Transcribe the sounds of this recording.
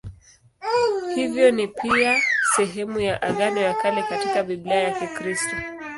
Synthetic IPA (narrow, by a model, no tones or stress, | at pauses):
hivjɔnipiasɛɦɛmujaʔaɠanɔjakalɛkatikavilaajakikɾistɔ